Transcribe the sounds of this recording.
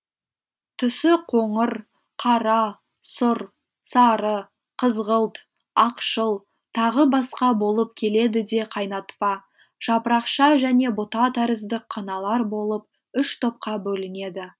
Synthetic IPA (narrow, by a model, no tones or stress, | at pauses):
t̪ʰʏsɪqʰo̞ɴəɾ | qʰɑɾɑ | sʊɾ | sɑɾə | qʰəzʁəlˠt̪ | ɑqʃəlˠ | t̪ʰɑʁəbɑsqɑbo̞lˠəp̚kʲʰe̞le̞d̪ɪd̪e̞qʰɑjnɑt̪pɑ | ʒ̥ɑpəɾɑqʃɑʒæne̞bot̪ɑt̪ʰæɾɪzd̪ɪk̚qʰːɑnɑlˠɑɾbo̞lˠəp̚ | ʏʃt̪ʰo̞p̚qɑbɵlɪne̞d̪ɪ